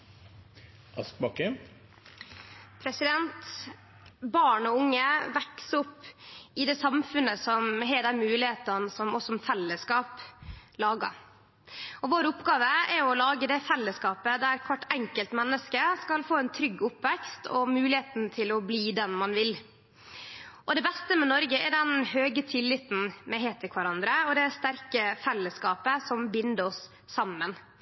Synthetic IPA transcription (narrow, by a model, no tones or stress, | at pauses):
ɑsk̚bɑkə | pʰɾɛsɪd̪ɛnt̪ | bɑːɳɔʊŋːəʋɛksʊpːɪd̪ɛːsɑmfʉnəsɔmɦɛːd̪ɛnmʉːlɪheːt̪ɑnsɔmɔsɔmfɛlːəskɑːplɑːɡɑ̰ | ɔʋoːɾəʊpɡɑːʋəɛɾɔlɑːɡəd̪ɛfɛlːəskɑːpəd̪æɾkʰʋɑʈːɛŋkəlt̪mɛnːəskəskɑlfoːɛnt̪ʰɾʏɡːʊpːʋɛkst̪ʰɔ̰mʉːlɪheːt̪n̩t̪ʰɪlɔbliːd̪ɛnmɑnʋɪl | ʔɔd̪ɛbɛst̪əmɛnɔɾɡəɛɖɛnhøːɡət̪ʰɪlːɪt̪n̩mɛɦeːt̪ʰːəkʰʋɑɾɑnd̪ɾəɔd̪ɛst̪æɾkəfɛlːəskɑːpəsɔmbɪnd̪əɾɔsː | ɑmːən